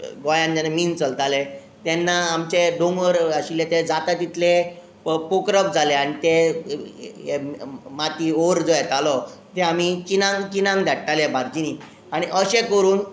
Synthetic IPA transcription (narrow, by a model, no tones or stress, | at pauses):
ɡɔjãnd͡ʑanamiːnt͡səlt̪ale | t̪ɛnːaːmt͡ɕeɖ̪oŋɡʋəɾaɕilet̪ed͡zat̪at̪it̪le | pokɾəp̚d͡zʱaleaɽ̃it̪e | emat̪iːoɾd͡zojɛt̪alɔt̪eam̤it͡ɕinãŋɡt͡ɕinãŋɡd̪ʱjaʈʈ̪alebʱaɾd͡ʑiniː | aɽ̃iʔəɕekəɾuːn